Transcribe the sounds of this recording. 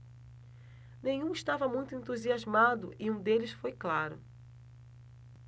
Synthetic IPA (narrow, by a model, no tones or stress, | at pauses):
nẽjɲũiʃt̪avɐmũj̃t̪ʊẽnt̪uziazmad̪ʊʔɪũd̪elɪsfojklaɾʊ̰